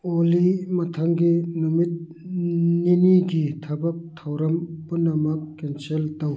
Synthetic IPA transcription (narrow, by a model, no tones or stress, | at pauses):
olimat̪ʰaŋkinumit̪̚ | ninikit̪ʰapɐp̚t̪ʰawɾɐmpunːamap̚kent͡ɕʰelt̪aw